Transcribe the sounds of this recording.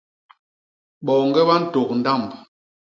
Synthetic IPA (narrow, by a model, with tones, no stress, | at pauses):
ɓɔ˨ŋɡɛ˦ɓa˦n̩˦to˨k̚n̩˨da˦˨mb